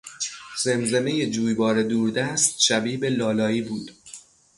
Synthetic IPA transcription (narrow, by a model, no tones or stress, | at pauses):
z̥e̞mze̞meje̞d͡ʒuːjbɒːɾe̞d̪uːɾd̪æst̪̚ʃæbiːbe̞lɒːlɒːiːbuːd̪̥